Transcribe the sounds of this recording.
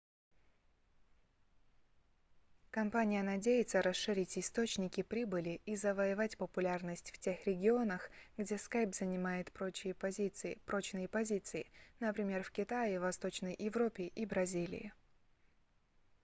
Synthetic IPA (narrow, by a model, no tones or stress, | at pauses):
kɐmpanʲɪjənɐdʲejɪt̪səɾɐsʂɨɾʲitʲɪst̪o̞t͡ɕnʲɪkʲɪpɾʲibɨlʲɪizəvəjɪvatʲpəpʊlʲarnəsʲtʲftʲe̞xɾʲɪɡʲɪo̞nəxɡdʲe̞skajpzənʲɪmajɪt̪pɾot͡ɕɪjəpɐzʲit̪sɨpɾo̞t͡ɕnɨjəpɐzʲit̪sɨɪnəpɾʲɪmʲe̞rfkʲɪt̪ajɪvɐst̪o̞t͡ɕnəjjɪvɾo̞pʲɪʔibɾɐzʲilʲɪ̰ɪ̰